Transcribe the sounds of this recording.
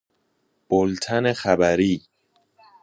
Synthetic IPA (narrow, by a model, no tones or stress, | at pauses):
b̥olt̪ʰænexæbæɾiː